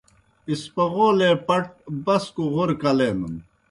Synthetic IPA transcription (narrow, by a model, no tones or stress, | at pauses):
ispɐɣoːlepɐʈ̚bɐskoʁoɾkɐleːmṵn